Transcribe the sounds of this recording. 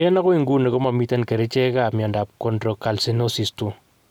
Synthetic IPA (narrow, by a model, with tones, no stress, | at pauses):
jɛ˦na˦ko˦i˦ŋɡu˦ne˨ko˦ma˨mi˦ta˦nke˨ɾe˦t͡ʃe˦ka˦˨mjɔ˨nda˨p̚ko˨ndɾo˨ka˨lse˦no˦si˨stu˨